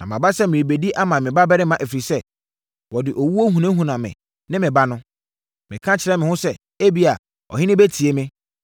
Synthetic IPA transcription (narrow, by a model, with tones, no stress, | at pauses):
nã̰˨mã̰˨ba˦sɛ˦mɪ̃˨ɾi˨be˨di˦ʔa˦mã˨mɪ̃˨ba˦bɛ˦ɾɪ̃˦mã˨ʔe˨fɾi˨sɛ˦ | wɔ˨dɪ˨ʔo˨wu˦o˦ɦũ˨nã˦ɦũ˨nã˨mɪ̰̃˨ | nɪ̃˦mɪ̃˨ba˦nʊ̃˦ | mɪ̃˨kʰã˦t͡ɕʰɪ˨ɾɛ˦mɪ̃˨hʊ̃˦sɛ˦ | e˦bi˨˦a˨ | ɔ̰˨ɦɪ˦nɪ̃˦be˦tʰi˨e˦mɪ̃˦